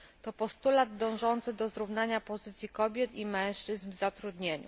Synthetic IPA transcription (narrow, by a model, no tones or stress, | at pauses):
t̪ɔpɔst̪ulad̪d̪ɔ̃w̃ʐɔnt̪sɘd̪ɔzɾuvnaɲapɔzɘt̪sʲjikɔbʲjɛt̪imɛ̃w̃ʂt͡ʂɘznvzat̪ɾud̪ɲeɲṵ